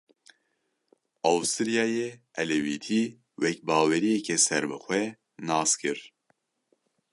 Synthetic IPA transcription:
ɑwst̪ɨɾijɑːjeɛlɛwiːt̪ʰi | wɛkbɑːwɛɾijɛkɛsɛɾbɨxʷɛ | nɑːskʰɨɾ

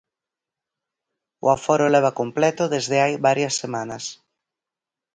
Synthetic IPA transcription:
ʊ̰afɔɾʊlɛβ̞akomplɛt̪ʊðezðeajβaɾjɐsːemanɐs

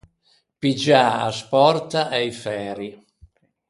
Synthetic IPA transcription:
pid͡ʒaa̰spɔrt̪aʔɛjfɛːɾi

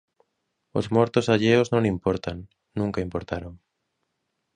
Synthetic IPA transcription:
o̰zmɔɾt̪ʊsaʎeoznõŋimpɔɾt̪aŋ | nũŋkaimpoɾt̪aɾoŋ

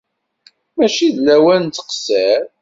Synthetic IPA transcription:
mæʃiðlæwænt͡s̪ːə̥qsæɾ

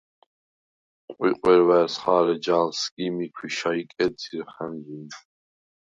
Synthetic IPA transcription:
qʷʼḭqʼwɛɾvæɾsχaːɾɛd͡ʒaːlsɡʼimikʰiʃaikʼɛdiɾχanzi

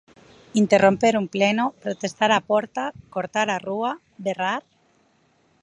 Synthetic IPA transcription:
int̪erompeɾumplenopɾot̪est̪aɾapoɾt̪akoɾt̪aɾarua | beraɾ

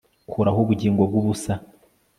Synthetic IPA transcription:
kuɾahoβuɟiːŋɡobɡoβusa

